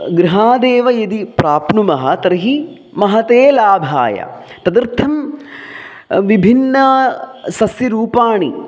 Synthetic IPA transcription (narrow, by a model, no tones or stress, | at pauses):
ɡɾiɦaːd̪eːʋɐjɐd̪ipɾaːpɳumɐɦɐt̪ɐɾɦi | mɐɦɐt̪eːlaːbʱa̰ːjɐ̰ | t̪ɐd̪ɾt̪ʰɐm | ʋibʱinːɐsɐsjiɾuːpaːɳi